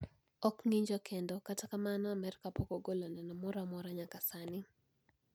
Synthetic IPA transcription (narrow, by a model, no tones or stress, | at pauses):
ɔkŋiɲd͡ʒɔkendokatakamanɔamɛrkapokoɡolonɛnɔmɔɾamɔɾaɲakasanɪ